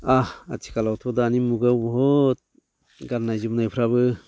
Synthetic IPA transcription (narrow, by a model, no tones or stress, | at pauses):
aha̰tʰi̥kalawtʰɔdaːnimuɡabɔɦɔt̚ | ɡaɾnajzɯmnajpʰɾaβɯ